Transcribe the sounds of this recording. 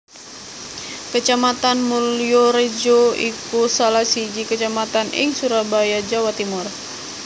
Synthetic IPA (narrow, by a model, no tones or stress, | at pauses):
kət͡ʃamat̪anmulioɾed͡ʒoikusalasid͡ʒikət͡ʃamat̪anḭŋsuɾabajad͡ʒawat̪imur